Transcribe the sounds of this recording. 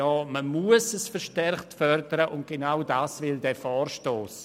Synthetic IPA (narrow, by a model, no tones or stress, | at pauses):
jɔːməmuəsəsfɛʃtɛɾχttfœɾdəɾəʔʊntɡ̥enaʊdaːsvɪldɛːfɔːrʃtoːs